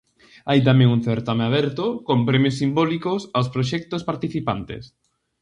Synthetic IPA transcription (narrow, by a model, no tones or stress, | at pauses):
ajt̪̬amɛ̃ŋunθeɾt̪ameaβɛɾt̪okompɾɛmjosːimbɔlikosawspɾoʃ̬ɛk̚t̪ospaɾt̪iθipant̪ḛs